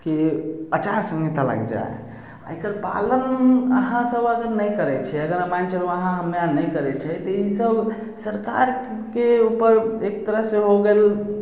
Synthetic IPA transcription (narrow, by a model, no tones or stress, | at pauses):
keət͡ʃaɾsə̃ŋɡet̪ala̰ɡd͡ʒa̰ḛ | a̰ekəɾpa̰lənəɦãsəbəɡəɾnəjkəɾɛt͡ʃʰɛəɡəɾəmant͡ʃəloəɦãɦəmjanəjkəɾɛt͡ʃʰɛt̪ɔisəb | səɾka̰ɾ | keupəɾek̚t̪əɾəɦseɦoɡel